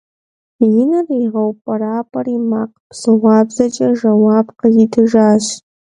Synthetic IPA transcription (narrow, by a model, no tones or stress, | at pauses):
jɪnɐriʁɐwpʼɐɾaːpʼɐrimaːqʼpʰsɨʁʷɑːbzɐt͡ʃʼɐʒɐwaːbqəjɪdʰɨʒaːɕ